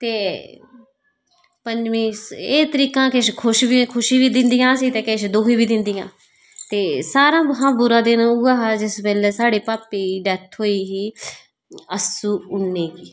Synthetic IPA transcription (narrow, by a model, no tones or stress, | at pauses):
t̪eː | pəɲd͡ʒmĩːseːt̪əɾiːkãːkɪʃkʰʊʃʋiːkʰʊʃiːbiːd̪ɪnd̪ijãːsiːt̪eːkeʃd̪oːkiːbiːd̪ɪnd̪ijã̰ː | t̪eːsaːɾãːbɦãːbʊɾãːd̪enːʊaːɦaːd͡ʒɪsbɛːlɛːsaːɽeːpaːpiːɖɛt̪ʰɦoːiːɦiː | əsuːʊnːeːkiː